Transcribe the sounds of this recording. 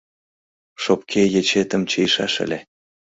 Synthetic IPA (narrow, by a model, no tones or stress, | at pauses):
ʃop̚kʰejet͡ɕet̪ə̆mt͡ɕejʃɑʃḛlʲe